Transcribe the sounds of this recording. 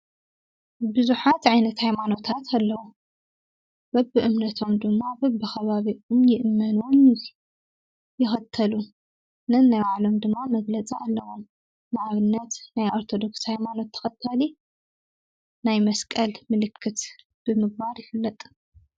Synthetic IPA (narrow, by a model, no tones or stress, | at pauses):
bɨzuħat̪ʕajnɐt̪hajmano̞t̪ʰat̪ʰalːɐwu | b̥ɐbːɨʔɨmnɐt̪ʰo̞md̪ɨmːabɐbːɨxɐβaβiʔomjɪʔɨmːɐnuwom | jɪxɐt̪ʰːɐlu | nɨnːajwaʕlo̞md̪ɨmːamɐɡlɐt͡sʼiʔalːɐwomː | aʔaβɨnːɐt̪najʔoɾt̪ʰo̞d̪o̞kshajmano̞t̪ʰːɐ̥xɐt̪ʰːɐli | najmɐskʼɐlmɨlɨkʰːɨt̪ | b̥ɨmɨɡ̚baɾjɪfɨlːɐt̪ʼ